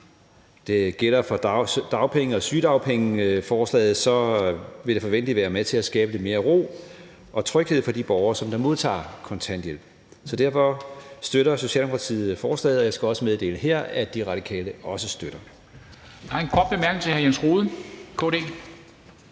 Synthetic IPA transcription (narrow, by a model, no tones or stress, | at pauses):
d̥e̝ɡ̥el̰ɐfɒ̽d̥ɑ̈ʊpʰeŋəɒ̽syːd̥ɑ̈ʊpʰeŋəfɒːslɛ̰ːð̩ˠsɒ̽ʋe̝ɾ̥efɒʋen̰d̥liʋæːɐmet͡sʰe̝læsɡ̥ɛːb̥əd̥e̝me̝ːɐʁo̝̰ː | ʔɒ̽t͡sʰʁœɡ̥he̝ð̞̰ˠfɒ̽d̥ib̥ɒʊɐsɒ̽md̥ɑ̈mo̝ð̞ˠt͡sʰɑ̰̈ːkʰɒ̽nt͡sʰænd̥jel | sɒ̽d̥æɐfɒ̽sd̥øɾɐso̝ɕɛ̰ːldemo̥kʰɑt͡sʰḭːð̩ˠfɒːslɛ̰ːð̩ˠɒ̽jɑ̈ɪsɡ̥æɒ̽səmeðˠd̥e̝̰ːlnəɦeɐ̰æd̥iʁɑ̈ɾ̥ikʰɛ̰ːləɒ̽səsd̥øɾ̥ɐ | d̥ɑenkʰɒd̥̚b̥emæɐɡ̥n̩t͡sʰe̝hæɐjensʁoːðˠkʰɔ̰d̥e̝̰ː